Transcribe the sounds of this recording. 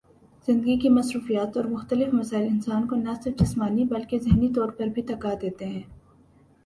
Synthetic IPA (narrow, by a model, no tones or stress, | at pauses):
z̥ɪ̃nd̪əɡikimɐsɾuːfijaːt̪ɔːɾmʊxt̪əlɪfmɐsaːɪlɪnsaːnkonɐsɪɾfd͡ʒɪsmaːnibɐlkezɪɦnit̪ɔːɾpɐɾbʱit̪ɐkad̪eːt̪eɦɛ̃ː